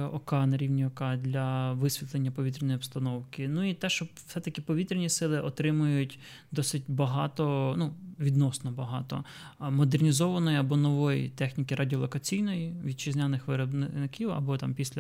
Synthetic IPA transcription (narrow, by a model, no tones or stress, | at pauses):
ɔkɑnɐɾʲiwnʲiɔkɑd̪lʲɐʋɪsʲʋʲit̪lˠenʲːɐpɔʋʲit̪ɾenɔjiɔbst̪ɐnɔwkɪnuit̪ɛʃt͡ʃɔfsɛt̪ɐkɪpɔʋʲit̪ɾʲenʲisɪlˠɪʔɔt̪ɾɪmʊjʊtʲ | d̪ɔsɪt̚ʲbɐɦɑt̪ɔnuʋʲid̪nɔsnɔbɐɦɑ̰t̪ɔ̰ | mɔd̪ernʲizɔʋɐnɔjiɐbɔnɔʋɔjḭt̪ɛxnʲikiɾʔadʲiɔlˠɔkɐt͡sʲijnɔjiʋʲid̪̚t͡ʃɪzʲnʲanɪxʋɪɾɔbnɪnɪkʲiwɐ̰bɔt̪ɑmpʲisʲlʲɐ